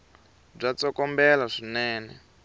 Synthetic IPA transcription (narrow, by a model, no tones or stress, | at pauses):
b͡ʐat͡sɔkɔmbɛlaʂinɛːnɛ̰